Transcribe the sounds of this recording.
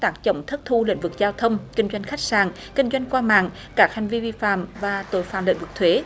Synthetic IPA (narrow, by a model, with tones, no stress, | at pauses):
t̪aː˦˥k̚t͡ɕə̰˧˩wŋ͡mt̪ʰə˦˥t̚t̪ʰu˧lḭ˧˥ŋ̟vɨ˨˩k̚zaː˧wt̪ʰə˧wŋ͡mkï˧ŋ̟zwa˧jŋ̟xa˦˥k̟̚saː˨˩ŋ | kï˧ŋ̟zwa˧jŋ̟kwaː˧ma̰ː˧˨ŋ | kaː˦˥k̚ha˨˩jŋ̟vi˧vi˧fa̰ː˧˨mvaː˨˩t̪o̰˧˩jfaː˧˨˩mlḭ˧˥ŋ̟vɨ˨˩k̚t̪ʰwe˨˦